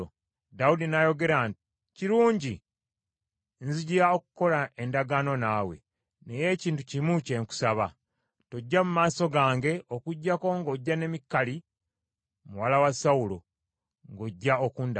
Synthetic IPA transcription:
daudinajo̞ɡe̞ɾanti̥ | ciɾuːɲɟi | nziɟiɾaokuko̞lae̞ndaɡaːno̞naːwe̞̰ | ne̞je̞ciːntucimuce̞ŋku̥saβa | toɟːamumaːso̞ɡaːŋɡe̞okuɟːako̞ŋɡo̞ɟːane̞mikːali | muwalawasaulo̰ | ŋɡo̞ɟːaokuːnd

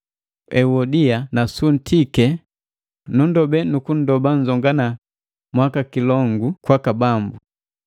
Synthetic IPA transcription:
ɛwɔdianasun̩tʰikɛ | nundɔbɛnukun̩dɔban̩d͡ʒɔŋɡana | mwakakilɔŋɡukwakabambu

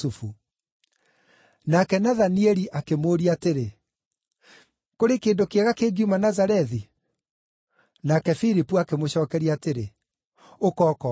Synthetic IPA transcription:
ufu | nakɛnaðaniɛɾiʔakemoːɾiateɾe | koɾekeːndokeɛɣakeːɡiumanazaɾɛði | nakɛfiɾipuakemoɕɔːkɛɾiateɾe | okɔːkɔ

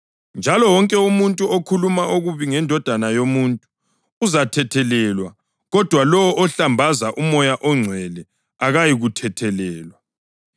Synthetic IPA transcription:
nd͡ʒʱalɔwɔŋkʼɛumuntʼuokʰulumaʔuɣuβiŋɛndʱɔd̥ʱanajomuntʼu̥ː | zatʰɛtʰɛlɛlwa | ɣɔd̥ʱwalɔwɔʔɔɬambʱazaʔumɔjaʔɔŋ͡ǀʱwɛlɛ | aɣajiɣutʰɛtʰɛlɛːlwa

